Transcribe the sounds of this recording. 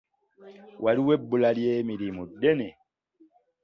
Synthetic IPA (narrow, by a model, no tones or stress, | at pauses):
wʔaliwebulaliemiɾimudene